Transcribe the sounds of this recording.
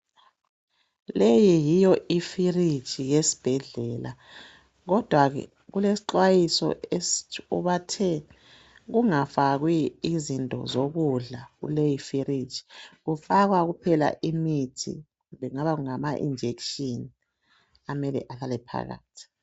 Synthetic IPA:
lejijijɔifiri̥t͡ʃʰʼiɣesi̥b̥ʱɛɮɛːla̰ | ɣɔd̥ʱwaɣɛ̰ | ɣulesi̥ǃwajisɔ̰euβatʰɛ | ɣuŋafaɣwiːzintʼɔ̰zoɣuɮaɣṵlejifiɾi̥t͡ʃʼi̥ɣufaɣwaɣupʰɛla̰ʔimitʰḭɣɣumbʱɛŋaβaɣuŋamaʔḭnd͡ʒʱekʃini | amɛlɛ̰ʔalalɛpʰa̰ɣa̰ːtʰi̥

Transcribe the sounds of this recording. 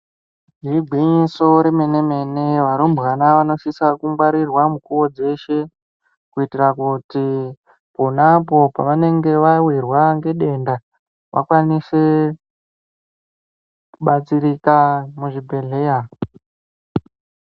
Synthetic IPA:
ɡiriɡʱwiɲiso̞ɾeme̞ne̞me̞ne̞ʋaɾumbɣanaʋano̞ʃisakuŋɡwaɾirwamukuwo̞d͡ze̞ʃe̞ | kuitirakuti | ponapo̞paʋane̞ŋɡe̞ʋawirwaŋɡe̞ɗe̞nda | ʋʔa̰kwanise̞ | kuɓat͡siɾikamuʐibʱe̞ɮe̞ja

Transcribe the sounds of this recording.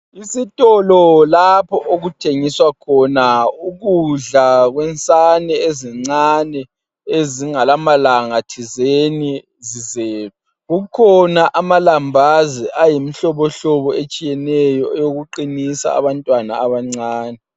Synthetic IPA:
isitʼɔlɔlapʰɔʔoɣutʰeŋiswakʰɔnauɣuɮaɣwɛnt͡sʼanɛeziŋ͡ǀanɛ | eziŋalamalaŋatʰizeni | zizeːβɛ | ɣukʰɔnaʔamalambʱaziʔajimiɬɔβɔɬɔβɔet͡ʃʼijɛnɛjɔɛjoɣuǃinisa̰ːβantʼwanaaβaŋ͡ǀaːnɛ

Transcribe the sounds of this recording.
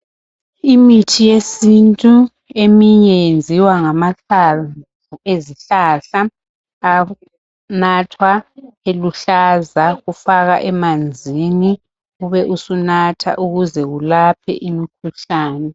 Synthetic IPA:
imitʰijesintʼu | emiɲɛnd͡zʱiwaŋamaɬav | ueziɬaɬaː | natʰwaeluɬazaɣufaɣaʔɛmand͡zʱini | ɣuβɛʔusunatʰa̰ʔuɣuzɛɣulapʰɛ̰ʔimikʰuɬaːnɛ

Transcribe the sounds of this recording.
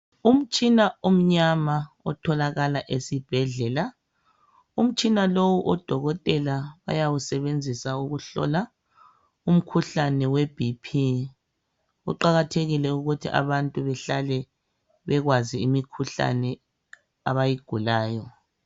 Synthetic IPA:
um̩t͡ʃʼinaom̩ɲama | ɔtʰɔlaɣalaʔesib̥ʱɛɮɛla | um̩t͡ʃʼinalowuʔɔd̥ʱɔɣɔtʼɛlaβa̰jawusɛβend͡zʱisauɣuɬɔ̰la | um̩kʰuɬanɛweb̥ʱipʰi | ṵǃaɣatʰeɣilɛuɣutʰḭʔa̰βantʼuβɛɬalɛ | βɛɣwaziimikʰuɬa̰nɛ | aβajiɡ̥ʱulaːjɔ

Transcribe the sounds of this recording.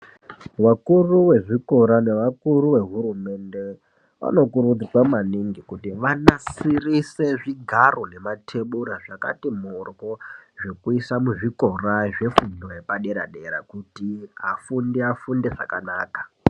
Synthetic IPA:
wakuruwe̞ʐiko̞ɾane̞ʋakuɾuwe̞ɦuɾume̞nde̞ | ʋa̰no̞kuɾud͡zikwamaniŋɡikutiʋanasirise̞ʐiɡʱaro̞ne̞matʰe̞ɓuɾaʐaka̰timorkoʐe̞kuisamuʐiko̞raʐe̞fundojepaɗe̞ɾa̰ɗeɾa̰kutiafundiafundeʐa̰kanaːkḁ

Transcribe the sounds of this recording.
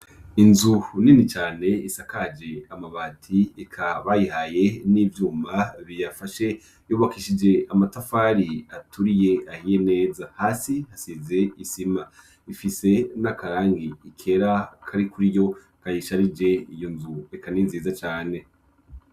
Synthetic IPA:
inzuninit͡ʃaːne̞isakad͡ʒe̞amaβaːtʰiekʰaβajiɦaje̞nivjuːmaβijafaʃe̞ | juːβakiʃid͡ʒe̞amatafaɾiatuɾije̞ʔahije̞ne̞ːzahaːsihasize̞isima | ifise̞nakaɾaːŋɡiikʰe̞ɾakʰaɾikuɾijo̞ | kajiʃaɾid͡ʒe̞ijo̞nzuekaninziːzat͡ʃaːne̞

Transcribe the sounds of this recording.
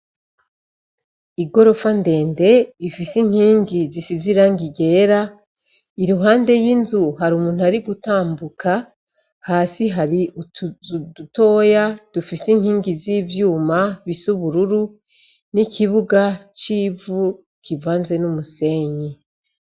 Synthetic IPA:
iɡo̞ɾo̞fande̞ːnde̞ifisiŋ̥hiːŋɡizisiziɾaŋɡiɡe̞ːɾa | iɾuɦaːnde̞jinzuɦaɾumuːn̥uaɾiɡutaːmbuka | haːsiɦaɾi | duto̞ːjad̥ufisiŋhiːŋɡiziːvjuːmaβisuβuɾuɾu | nikʰiβuɡat͡ʃiːvu | kivaːnze̞numuse̞ɲe

